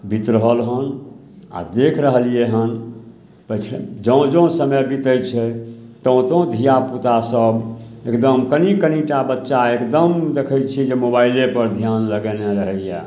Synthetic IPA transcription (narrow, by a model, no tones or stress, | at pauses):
bʱit̪ɾəɦəlɦən | a̰d̪ekʰɾəɦəlijeɦən | pət͡ʃʰd͡ʒə̃d͡ʒə̃səməbʱit̪ət͡ʃʰɛt̪ə̃t̪ə̃d̪ʱijaput̪asəb | ekd̪əmkənikəniʈabətːʃaekd̪əmd̪ekʰəjt͡ʃʰid͡ʒemobailepəɾd̪ʱjanləɡɛneɾəɦəija